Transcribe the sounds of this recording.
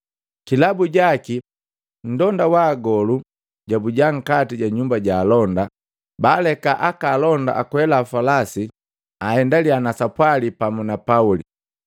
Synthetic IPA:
kilabuɟaki | n̩dɔndawaːɡɔlu | ɟabuɟaŋ̩katiɟaɲumbaɟaːlɔnda | baːlɛkaʔakaːlɔnda̰ʔakuhɛlaːfalasi | ahɛndalianasapwalipamunapauli

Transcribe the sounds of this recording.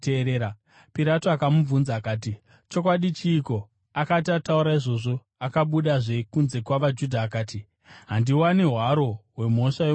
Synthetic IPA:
eɾeːɾa | piɾatoakamuvunzaːkaːt̬i | t͡ʃo̞kwaɗit͡ʃiːko̞ | akat̬iatauɾaiʐo̞ʐo̞ | akaɓuɗaʐe̞kunze̞kwaʋad͡ʒudʱaːkaːti | ɦandiwaneɦwaɾo̞ɦwe̞mo̞ʂaje

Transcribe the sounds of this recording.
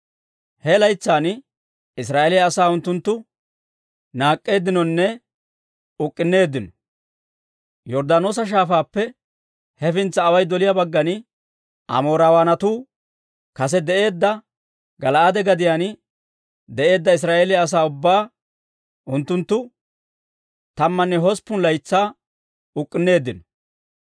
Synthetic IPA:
hɛlɐjt͡sːaːn | ɪsɾaːʔelɪjɐːsaːʊnt̪ːʊnt̪ːʊ | naːkʼːe̞ːd̪ːɪnɔnːɛ | ʊkʼːɪnːe̞ːd̪ːɪnɔ̥ | jɔɾd̪aːno̞ːs̬ɐʃ̬aːfaːpːɛ | hɛfɪnt͡sːɐːwɐjd̪ɔlɪjabɐɡːɐnɪ | ʔɐ̰moːɾawaːnɐt̪uː | kɐs̬ɛd̪ɛʔe̞ːd̪ːɐ | ɡɐlɐʔad̪ɛɡɐd̪ɪjan | d̪ɛʔe̞ːd̪ːɐɪs̬ɾaːʔeːlɪːs̬aːʊbːaː | ʔʊnt̪ːʊnt̪ːʊ | t̪ɐmːɐnːɛɦɔspːʊnlɐjt͡sːaː | ʊkʼːɪnːe̞ːd̪ːɪnɔ̥

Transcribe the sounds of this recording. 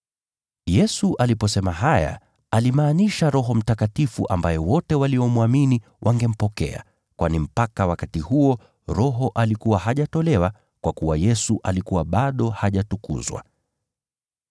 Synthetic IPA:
jɛsuʔalipɔsɛmaɦaja̰ | alimaːniʃaɾɔɦɔm̩takatifṵʔa̰mbajɛwɔtɛwaliɔmwamini | wʔaŋɡɛm̩pɔkɛ̰a̰ | kwanim̩pakawakatihuɔ | ɾɔɦɔʔalikuwaɦaʄatɔlɛwa | kwakuwajɛsuʔalikuwaɓaɗɔhaʄatukṵzwa̰

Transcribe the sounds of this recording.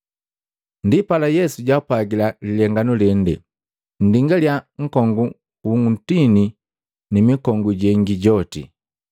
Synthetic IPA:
ndipalajɛsuɟaupaɡilalilɛŋɡanulɛndɛ | n̩diŋɡaljaŋ̩kɔŋɡu | uŋun̩tini | nimikɔŋɡuɟɛŋɡiɟɔtḭ

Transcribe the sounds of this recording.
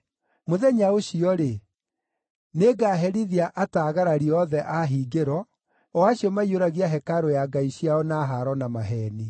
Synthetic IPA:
moðɛɲaoɕiɔɾe | neɡaːɦɛɾiðiaʔataːɣaɾaɾiɔðɛʔaɦiɡeɾɔ | waɕiɔmaioɾaɣiaɦɛkaɾojaɡaiɕiaɔnaɦaɾɔnamaɦɛːni

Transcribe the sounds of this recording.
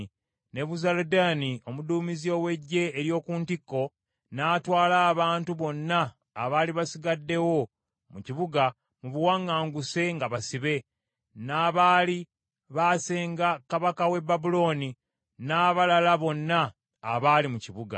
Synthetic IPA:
ne̞βuzaladanio̞muduːmizio̞we̞ɟːe̞ːɾjo̞ːkuːntikːo̞ | naːtwaːlaːβaːntuβo̞nːaː | βaːliβasiɡadːe̞wo̞ | muciβuɡa | muβuwaŋːaːŋɡuse̞ŋɡaβasiβe̞ | naːβaːli | βaːse̞ːŋɡakaβakawe̞babulo̞ːni | naːβalalaβo̞nːaː | βaːlimuciβuɡa̰

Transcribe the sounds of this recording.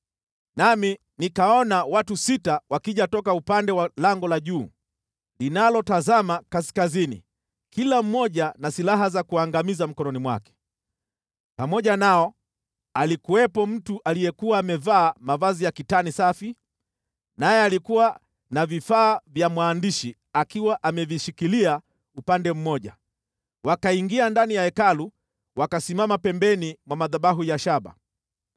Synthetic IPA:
nami | nikaɔnawatusitawakiʄatɔkaupandɛwalaŋɡɔlaʄuː | linalɔtazamakasi̥kazinḭ | kilam̩mːɔʄanasilaɦazakuaŋɡamizam̩kɔnɔnimwa̰kɛ̥ | pamɔʄanaɔ | alikuwɛpɔm̩tuʔalijɛkuwaːmɛvaːmavazijakitanisafi | najɛalikuwa | navifaːvjamwaːndiʃi | akiwaʔamɛviʃikilia | upandɛm̩mɔʄa̰ | wakaiŋɡiandanijaɛkalu | wakasimamapɛmbɛnimwamaðaɓaɦujaʃaɓa̰

